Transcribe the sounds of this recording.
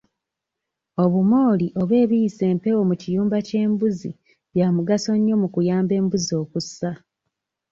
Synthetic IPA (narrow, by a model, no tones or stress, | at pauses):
o̞βumo̞ːliʔo̞βwe̞ːβijise̞ːmpe̞wo̞mucijuːmbace̞ːmbuzi | βjaːmuɡaso̞ɲːo̞mukujaːmbe̞ːmbuzio̞ːkusa